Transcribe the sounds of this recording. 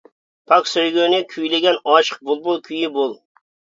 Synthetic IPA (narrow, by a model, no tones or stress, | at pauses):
pʰɑksøjɡʲønɪkʲʰyjleɡʲɛnɑʃə̥q̚bʊlˠbolˠkʲʰyjɪbolˠ